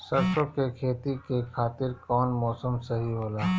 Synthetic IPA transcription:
sɐɾʃokekʰeːt̪ikekʰaːt̪ɪɾkɔːnmɔːsəmsɐɦiɦoːlaː

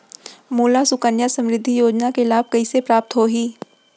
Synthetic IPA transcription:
moːlasʊkənjasɐ̃mɾɪd̪ʱːijoːd͡ʒnakelaːb̚kɐisepɾaːp̚t̪ɦoɦiː

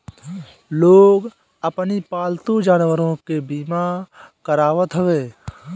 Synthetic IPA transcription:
loːɡ | əpnipaːlt̪ud͡ʒaːnwəɾõkebiːmakəɾaːwət̪ɦəʋeː

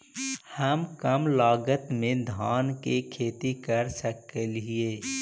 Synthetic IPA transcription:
həmkəmlaːɡət̪mẽd̪ʱaːnkekʰeːt̪ikəɾsəkːelɦieː

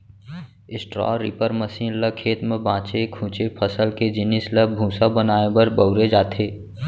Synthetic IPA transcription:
ɪsʈɾɔ̰ːɾɪ̰pəɾməsiːnləkʰeːt̪mẽbãːt͡ʃekʰũːt͡ʃepʰəsəlked͡ʒɪnɪsləbʱũːsabənaːebəɾbəʊɾed͡ʒaːt̪ʰeː

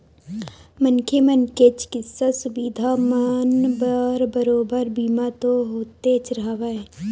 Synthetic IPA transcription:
mənkʰemənket͡ʃkɪsːasʊbiːd̪ʱamənbəɾbəɾoːbəɾbiːmat̪oɦoːt̪et͡ʃɾɐaʋee

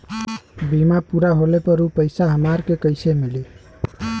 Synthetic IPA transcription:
bimapuɾaɦolepəɾupəɪsaɦəmaɾkekəɪsemili

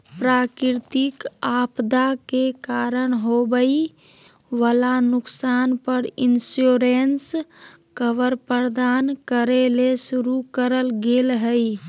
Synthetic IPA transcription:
pɾaːkɪɾt̪ɪkaːpd̪akekaːɾəɽ̃ɦobəi | ʋəlanʊksaːnpəɾinsjoɾens | kəʋəɾpəɾd̪aːnkəɾelesuɾukəɾəlɡelɦəi

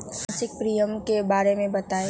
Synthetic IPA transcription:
sɪk̚pɾijəmkebaːɾemẽbɐt̪aːe

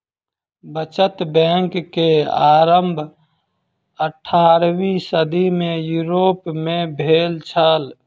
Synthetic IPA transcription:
bət͡ʃət̪bɛ̃ŋkːeaːɾəmbʱ | əʈʰːaːɾwisəd̪imẽjuɾoːpmẽbʱeːlt͡ʃʰəl

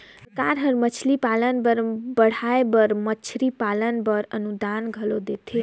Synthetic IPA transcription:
əkaɾɦəɾmət͡ʃʰlipalənbəɾbəɽ̤aebəɾmət͡ʃʰɾipalənbəɾənud̪anɡʱəlod̪et̪ʰi

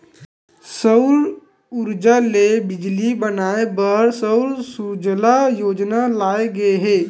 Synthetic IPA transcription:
səʊɾ | ʊɾd͡ʒalebɪd͡ʒlibɐnaːebəɾsəʊɾsud͡ʒlajoːd͡ʒnalaːeɡɐeɦɛː

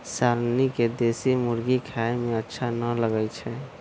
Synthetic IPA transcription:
saɾniked̪esimuɾɡikʰaemeətːʃʰanələɡɛjt͡ʃʰɛ

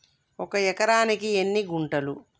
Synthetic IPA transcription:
ɔkɐjɛkɐɾaːnikienːiɡuɳʈɐlu

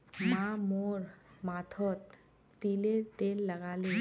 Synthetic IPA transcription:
mamoɾmat̪ʰɔt̪ː | ileɾt̪elːəɡale

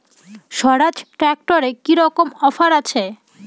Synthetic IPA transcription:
ʃɔɾad͡ʑʈɾɛk̚ʈoɾekiɾɔkomɔfaɾat͡ɕʰe

